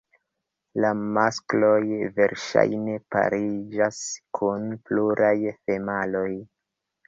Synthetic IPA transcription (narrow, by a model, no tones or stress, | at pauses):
lamasklo̞jve̞ɾʃa̰jne̞pa̰ɾid͡ʒaskʰunpluɾʔajfemalo̞j